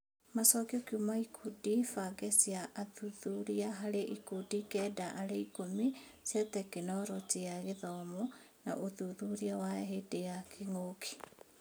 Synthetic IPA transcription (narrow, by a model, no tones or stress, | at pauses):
masɔkiokeumaikʰudifaɡɛsiaʔaðuðuɾiaɦaɾeʔikudikɛdaʔaɾeikomi | sjatɛkenɔɾoteaɣeðɔmɔ | na̰ʔoðuðuɾiawaɦedejakʰeŋokʰi̥